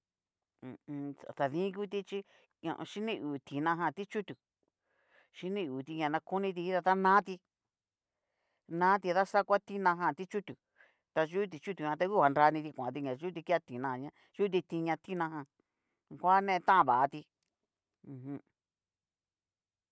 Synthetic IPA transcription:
a˨t̪a˨ðĩ˦ku˦t̪̬i˧t͡ʃi˦ | ã̰˧ʔʃi˦nĩ˦ʔuː˨t̪ĩ˨nã˧ɦã˧˨t̪i˦t͡ʃu˦t̪u˨ | ʃi˦nĩ˦uː˨t̪i˧ɲã˧nã˧ku˦nĩ˧t̪̬i˧i˦ða˧t̪a˦nãː˦t̪i˧ | nã˦t̪̬i˧ða˦sa˦˧kʷa˦t̪i˦nã˧ɦã˧˨t̪i˦t͡ʃu˦t̪u˨ | t̪a˧ʒu˦t̪̬i˧t͡ʃu˦t̪u˨ɲã˧t̪a˧˦ku˦ha˨˧nɾa˧nĩ˧t̪̬i˧kʷã̰˨t̪i˧ɲã˨ʒu˦t̪̬i˧ki˦a˦t̪ĩ˨nã˧˨˧ɲã˧ | ʒu˦t̪̬i˧t̪i˧ɲã˧t̪i˦nã˧ɦã˧ | kʷa˦nẽ˦˧ẽ˧t̪ã˦ʔã˧βa˨ʔa˧t̪ĩ˧ | ɦ

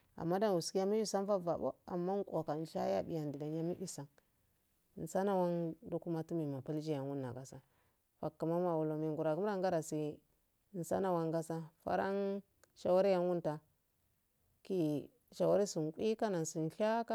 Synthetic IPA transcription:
a̰˨mːa˦da˦n˨wu˨ski˦ja˦mi˦bi˦sa˦n˦fa˦va˨bo̰˦a̰˨mːa˦ŋ˦kʷʼo˨ka˨ʃa˦ja̰˦bi˨ja˨ndi˨da˨n˦ja˦mi˦ʔi˦sa˨ŋ˨ | n̩˨sa˦na˦wa˦ndu˦ku˦ma˦tu˦mi˨ma˨pa˦ld͡ʒi˦ja˨nwu˦nːa̰˨ɡa˨sa˦ | fa˨kːa˨ma˦ma˨wu˨lo˨mi˨ŋɡu˨ɾa˨ɡu˦m˦a˦ŋɡa˦ɾa˨si˨ | n̩˨sa̰˦na˦wa˦ŋɡa˦sa˦fa̰˦ɾa˦ŋ | ʃa˦wa˦ɾi˦ja˦nwu˦nta˨ | ki˦ | ʃa˨wa˦ɾi˦su˨n˨kʷi˦ka˦na˨nsi˨n˨˦ɬa˦ka˦

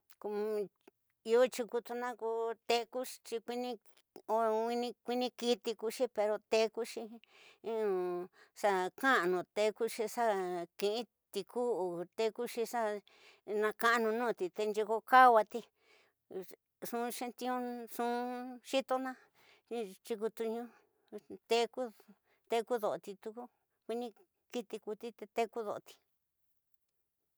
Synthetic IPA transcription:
ko˧ | i˧o˦t͡ʃi˧ku˧t̪u˧nã˦ku˧t̪e˧ku˦˧t͡ʃi˧kʷi˦˧nĩ˧ | o˧ĩ˧nĩ˧kʷi˦nĩ˧ki˧t̪i˧ku˧ʃi˦pe˧ɾo˧t̪e˧ku˦ʃĩ˧˦˧ | sa˧kã˦˨nũ˨˧˨t̪e˧ku˦ʃi˧ʂa˦kĩ˧ʔĩ˦ | t̪i˧kʰu˦˧t̪e˧ku˦ʃi˧ʂa˦ | nã˧kã˧˦˧nũ˧nũː˦˨˧t̪i˨t̪e˧nd͡ʒi˧ko˧ka˦˧wa˧t̪i˧ | ʂũ˧ʃe˧nt̪ĩ˧õ˦ʂũ˧˦˧ʃi˦t̪o˧nã˦ | i˧t͡ʃi˧ku˧t̪u˧ɲũ˧˦ | t̪e˧ku˦ | t̪e˧ku˦ðo˨ʔo˨t̪i˧t̪u˧ku˦ | kʷi˧nĩ˧ | ki˦t̪i˧ku˧t̪i˦t̪e˧t̪e˦˧ku˦ðo˨o˧t̪i̥˧

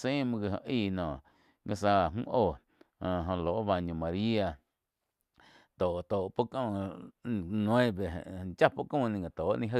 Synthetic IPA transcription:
sẽː˦mũ˧ɡi˧˨hõ̰˧ʔiː˦˧˨nɔ̃ː˨ʔ | ŋɡa˧s̬a˧a˨mṵ̃ː˦ʔoː˧˨ | ã˧˨ɦõ˧loː˨ʔba˧ɲõ˨mã˨˧ɾi˦a˧ | t̪oː˨t̪oː˨po˦kõː˧˨ | nw̃ẽ˦bḛ˨t͡ʃa˦po˦kõː˦˧˨nĩ˧˨ɡa˨t̪oː˨ʔnĩ˧ɦə˦˧

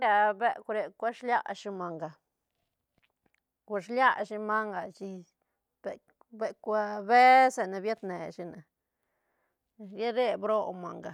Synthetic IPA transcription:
ɾa˧be˦˧kʷɾe˧kʷa˦ʂlja˦ʂi˧ma˨ŋɡa˨ | kʷa˧˨ʃlja˦ʃi˧ma˦ŋɡa˨t͡ʃi˧ | b̥e˨ | be˨kʷa˧be˦se˨na˨bja˦t̪ne˨ʃi˧na˨ | je˦ɾe˦bɾo˦˧ma˨ŋɡa˨

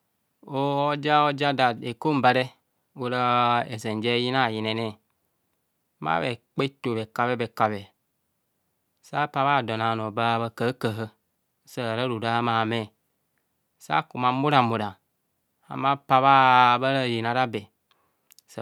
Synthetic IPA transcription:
o˦ɔ˦d͡ʒa˦o˦d͡ʒa˦da˨de˨ko˦m˦ba˨ɾe˦ | o˦ɾa˦e˨ze˨n˨d͡ʒe˦ji˦na˦˨ji˨nɛ˨nɛ˦˨˦ | ma̰˦βe˨k͡pe˦to˨be˨ka˨bɛ˦be˨ka˨bɛ˨˦ | sa˦pa˦βa˦˨dɔ˨na˨no˨ba˦βa˧kə˨˦kə˨ɦə˦ | sa˦˨ɾa˦ɾu˨ɾa˦ma˨me˦˨ | sa̰˦ku˨ma˨mu˦ɾa˨mo˨ɾa˨ | a̰˨ma˦pa˨βa˦ba˦ɾa˦˨ji˨na˨ɾa˦be˨˦ | s

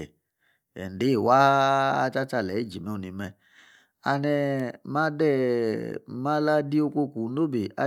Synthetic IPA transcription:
ɛ˨ | ɛ̰˨n˨de˨˦˨wa̰ː˦˧t͡ʃa˦t͡ʃa˧˨lɛ˨i˦˨d͡ʒi˨mɛ˦u˧˨ni˧mɛ˧ | a˧nɛ˧ma˦dɛ˦˨ | ma˦la˦di˦o˧ko˧ku˨˦no˦be˨a̰˦

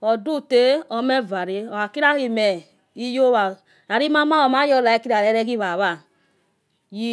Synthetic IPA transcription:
ɔ˨du˦˨te˦ɔ˨˦me˦va˨ɾe˨ɔ˨a˨ki˦ɾa˦ɣi˨mɛ˨ | i˦jo˦βa˨ | a˨ɾi˦ma˦ma˦ɔ˨ma˦jɔ˧la˨ɛ˨˦ki˦ɾa˨ɾɛ˦ɾɛ˦ɡi˦βa˨βa˦˨ | ji˦

